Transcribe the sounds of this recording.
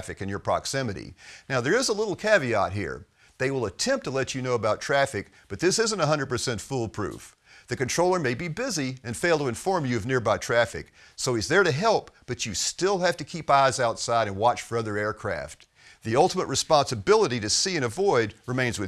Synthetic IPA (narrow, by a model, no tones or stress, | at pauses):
fɨkɨ̃njə˞pʰɹ̥ɑ̰ksɪ̃mɨɾḭnaʊðə˞ɨzəlɪɾl̩ˠkʰæviɑ̰t̚ɦḭɹ | ðeɪwəlˠətʰɛ̃mp̚tʰəlɛt͡ʃɨnoʊəbaʊtʰɹ̥æfɨk̚ | b̥ʌt̪̚ðɪsɪzə̃ntəɦʌ̃ndɹəd̚pə˞sɛ̃ntfulˠpʰɹ̥ʉ̰f | ðɨkɨ̃ntɹ̥oʊlˠə˞meɪbibɪziɨ̃nfeɪlˠtəɨ̃ɱfɔɹmjʉʌvnɪɹbaɪtʰɹ̥æfɨ̰k | soʊɨzðə˞ɾɨɦɛlˠpb̥ʌt͡ʃɨstɪlˠhæftɨkʰipaɪzaʊtsaɪɾɨ̃nwɑt͡ʃfə˞ʌðə˞ɛɹkʰɹ̥æ̰ft̪̚ | ðiʌlˠtəməʔ̚ɹɨspɑ̃nsɨbɪlˠəɾiɾɨsiɨ̃ñɨvɔɪd̚ɹɨmẽɪ̃nzwɨ